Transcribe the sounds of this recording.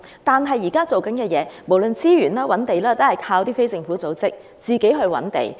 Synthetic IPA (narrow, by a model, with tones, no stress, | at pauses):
t̪aː˨nɦɐ˨jːiː˨˩kaː˥t͡so˨wkɐ˨˥nkɛː˧jɛː˨˧mo˨˩wlɵ˨nt͡siː˥ɥyː˨˩nlaː˥wɐ˨˥nt̪e˨jlaː˥t̪o˥hɐ˨˩jkʰaː˧wt̪iː˥fe˥jt͡sɪ˧ŋfuː˨˥t͡so˨˥wt͡sɪ˥k̚ | t͡siː˨ke˨˥jɦɵ˧ɥwɐ̰˨˥nt̪ḛ˨˩j